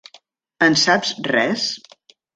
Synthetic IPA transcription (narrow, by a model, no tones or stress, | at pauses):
ənsapzrɛs